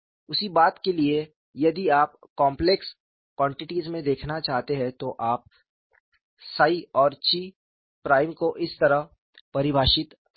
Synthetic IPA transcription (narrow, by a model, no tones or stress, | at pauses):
ʊsibaːt̪kelie | jɐd̪iaːp̚kɔ̃ːmpleks | kwãːɳʈɪʈizmẽd̪eːkʰnat͡ʃaːɦt̪eɦɛ̃t̪oʔaːp̚ | saːiɔːɾt͡ʃiː | pɾaːɪmkoʔɪst̪ɐɾəɦ | pɐɾɪbʱaːʃɪt̪